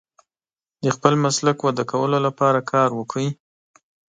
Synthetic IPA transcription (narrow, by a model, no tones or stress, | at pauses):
d̪əxpəlmaslakwad̪akawəlolapɑɾakʰɑɾwəkʰəi